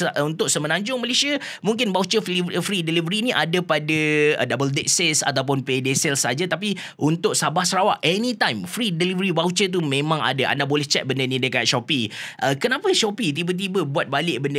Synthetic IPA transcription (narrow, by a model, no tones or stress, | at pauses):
unt̪ʊʔsəmənãɲd͡ʒʊŋməlesia | mũŋkɪnbaut͡ʃəffɾidelivəɾinĩʔa̰dapadadabəldet̪̚sɛsa̰t̪awp̬ʊnpedesɛlsad͡ʒat̪ap̬i | ʔunt̪ʊʔsabahsəɾawa̰ʔɛnit̪ãjmfɾidelivəɾibaut͡ʃət̪̬umẽmãŋa̰daa̰ndabolɛht͡ʃɛt̪̚bəndənĩdəkat̪̚ʃɔpiʔəkənãpəʃɔpit̪̬ibət̪̬ibəbuat̪̚balɪʔbəndə